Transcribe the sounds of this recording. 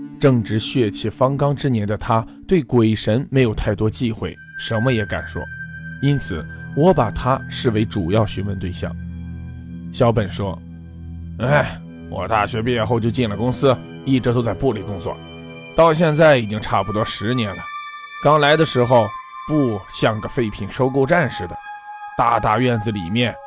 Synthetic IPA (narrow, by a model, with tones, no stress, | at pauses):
ʈ͡ʂɤ˥˩ŋʈ͡ʂɻ̩˧˥ɕɥɛ˥˧t͡ɕʰi˥˩fɑ˥ŋkɑ˥ŋʈ͡ʂɻ̩˥njɛ˧˥nd̪ə˨˧t̪ʰa˥ | t̪we˥˩ɪkwe˨˩ɪʂə˧˥nme˧˥ɪjo˨˩ʊt̪ʰa˥˩ɪt̪wɔ˥t͡ɕi˥˧xwe˥˩ɪʂə˧˥nmə˧jɛ˧˥ka̰˨˩nʂwɔ̰˥˩i˥nt͡sʰɹ̩˨˩˦wɔ˧˥pa˨˩t̪ʰa˥ʂɻ̩˥˩we˧˥ɪʈ͡ʂu˨˩jɑ˥˩ʊɕɥɛ˧˥mə˧nt̪we˥˧ɪɕjɑ̰˥˩ŋ | ɕjɑ˥ʊpə˨˩nʂwɔ˥ | e˥˩ɪ | wɔ̰˨˩t̪a̰˥˩ɕɥɛ˧˥pi˧˥˩xo˥˧ʊt͡ɕjo˥˧ʊt͡ɕi˥˩nlə˩kʊ˥ŋsɹ̩˥ | i˥˩ʈ͡ʂ̩˧˥˩t̪o˥ʊt͡sa˥˧ɪpu˥˩li˨˩kʊ˥ŋt͡swɔ̰˥˩ | t̪ɑ˥˧ʊɕ̬jɛ˥˧nt͡sa˥˩ɪi˨˩t͡ɕi˥ŋʈ͡ʂʰa˥˩pu˧˩t̪wɔ˥ʂɻ̩˧˥njɛ˧˥nlə˩ | kɑ˥ŋla˧˥ɪd̪ə˧ʂɻ̩˧˥xo˧ʊ | pu˥˩ɕjɑ˥˩ŋɡə˧fe˥˩ɪpʰi˧˥ŋʂo˥ʊko˥˧ʊʈ͡ʂa˥˧nʂɻ̩˥˩d̪ə˩t̪a̰˥˧t̪a˥˧ɥɛ˥˩nd͡zɹ̩˨˩li˨˩mjɛ˥˩n